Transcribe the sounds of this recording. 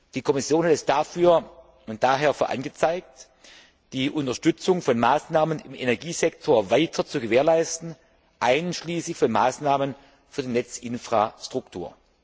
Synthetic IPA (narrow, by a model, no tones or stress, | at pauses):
d̥iːkʰɔmɪsjoːnhatɛsd̥afyːɐ | ʊnt̚d̥aːɦeːɐfyːɐʔa̰nɡət͡saɪk̚t | d̥iːʔʊntɐʃtʏt͡sʊŋfɔnmaːsnaːmənɪmʔenɛɐɡiːzɛktʰoːɐvaɪtʰɐt͡suɡəveːɐlaɪstn̩ | ʔaɪnʃliːsɪçfɔnmaːsnaːmən | fyːɐdiːnɛt͡sʔɪnfʁ̥astʁ̥ʊktʰuːɐ